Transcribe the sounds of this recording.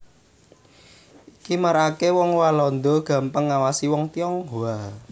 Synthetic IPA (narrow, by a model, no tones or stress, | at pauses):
ʔikimaɾakewɔŋwalɔnd̪ɔɡ̥ä̤mpəŋːawasiwɔŋt̪iɔŋɦua